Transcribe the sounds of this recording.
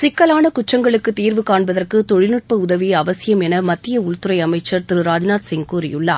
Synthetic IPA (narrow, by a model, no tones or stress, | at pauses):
sɪkːɐlaːnɐkʊʈrɐŋɡɐɭɯkːɯt̪ːiːɾʋɯkaːɳbɐðɐrkɯt̪ɔɻɪnɯʈ̚pɐʊðɐʋiɐʋɐsɪjɐmɛnɐmɐt̪ːɪjɐʊɭt̪ɯɾɐɪɐmɐɪt͡ʃːɐɾt̪ɪɾɯɾaːd͡ʒnaːt̪sɪŋkuːɾɪ̰jɯɭːaː